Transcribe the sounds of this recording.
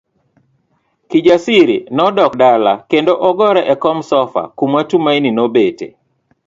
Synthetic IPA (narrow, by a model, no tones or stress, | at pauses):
kid͡ʒasiɾḭnɔdɔkdalakendoʔɔɡɔɾɛʔɛkɔmsɔfa̰kumatumaininobetḛ